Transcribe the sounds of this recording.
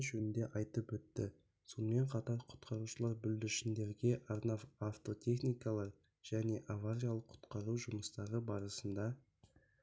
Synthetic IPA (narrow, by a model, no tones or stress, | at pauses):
ʒɵnɪnd̪e̞ʔɑjt̪əpwɵt̪ːɪ̰ | so̞nəme̞ɴqʰɑt̪ɑɾqʰʊ̥t̪qʰɑɾuʃəlˠɑɾbʏld̪ɪʃɪnd̪e̞ɾɡʲe̞ʔɑɾnɑvaft̪o̞t̪ʰʲe̞χnijkɑlˠɑq | ʒ̥æne̞ʔavaɾʲijalˠəqʰːʊ̥t̪qɑɾuʒʊməst̪ɑɾəbɑɾəsənd̪ɑ